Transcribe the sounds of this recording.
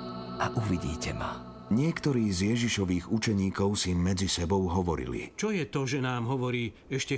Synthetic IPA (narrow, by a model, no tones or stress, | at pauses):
ʔaʔuʋiɟḭːcɛma̰ | ɲɪɛkt̪ɔɾiːzjɛʒiʃɔʋiːɣut͡ʃɛɲiːkɔʊsimːɛd͡zisɛbɔʊɦɔʋɔɾḭlḭt͡ʃɔjɛt̪ɔʒɛnaːmɦɔʋɔɾiː | ɛʃcɛ